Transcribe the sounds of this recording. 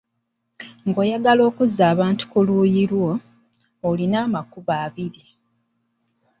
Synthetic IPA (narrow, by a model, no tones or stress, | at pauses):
ŋɡo̞ːjaɡalo̞ːkuzːaːβaːntu̥kuluːjiɾwo̞ː | linaːmakuβaːβiɾi